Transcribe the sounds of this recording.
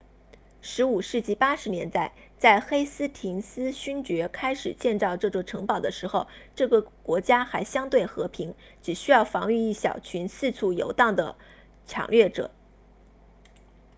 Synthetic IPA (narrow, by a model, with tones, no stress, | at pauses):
ʂɻ̩˧˥u˨˩ʂɻ̩˥˧t͡ɕi˥˩pa˥ʂɻ̩˧˥njɛ˧˥nt̪a˥˩ɪ | t͡sa˥˩ɪxe˥ɪsɹ̩˥t̪ʰi˧˥ŋsɹ̩˥ɕy˥nt͡ɕɥɛ˧˥kʰa˥ɪʂɻ̩˨˩t͡ɕjɛ˥˧nt͡sɑ˥˧ʊʈ͡ʂɤ˥˧t͡swɔ˥˩ʈ͡ʂʰɤ˧˥ŋpɑ˨˩ʊd̪ə˦ʂɻ̩˧˥xo˥˧ʊʈ͡ʂɤ˥˩ɡə˩kwɔ˧˥t͡ɕja˥xa˧˥ɪɕjɑ˥ŋt̪we˥˩ɪxɤ˧˥pʰi˧˥ŋ | ʈ͡ʂɻ̩˨˩ɕy˥jɑ˥˩ʊfɑ˧˥ŋy˥˧i˥˩ɕjɑ̰˨˩ʊt͡ɕʰy˧˥nsɹ̩˥˧t͡sʰu˥˩jo̰˧˥ʊt̪ɑ˥˩ŋd̪ə˩ | ʈ͡ʂʰjɑ̰˨˩ŋlɥɛ˥˩ʈ͡ʂɤ̰˨˩˦